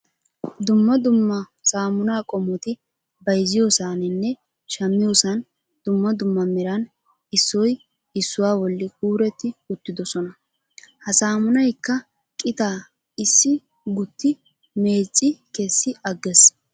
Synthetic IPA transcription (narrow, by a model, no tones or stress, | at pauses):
d̪ʊmːɐd̪ʊmːɐ | saːmʊnaːkʼɔmːɔt̪ɪ | bɐjzɪjosaːnɪnːɛ | ʃɐmːɪjosɐn | d̪̥ʊmːɐd̪ʊmːɐmɛɾɐn | ɪsːɔj | ɪsːʊwaːwɔlːɪkuːɾɛt̪ːɪʊt̪ːɪd̪ɔsɔnɐ | hɐsaːmʊnɐjkːɐ | kʼɪt̪aː | ɪsːɪ | ɡʊt̪ʰːɪ | me̞ːt͡sʼːɪkesːɪʔɐɡːɛs